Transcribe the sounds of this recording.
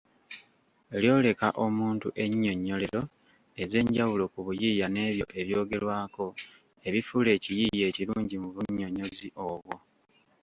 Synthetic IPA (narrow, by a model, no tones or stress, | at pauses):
eljo̞ːle̞ka̰ʔo̞muːntuʔe̞ɲːo̞ɲːo̞le̞ɾo̞ | e̞ze̞ːɲɟawulo̞kuβujiːjane̞ːβjo̞ʔe̞βjo̞ːɡe̞lwaːko̞ | e̞βifule̞ːcijije̞ːciɾuːɲɟimuβuɲːo̞ɲo̞ziʔo̞βwo̞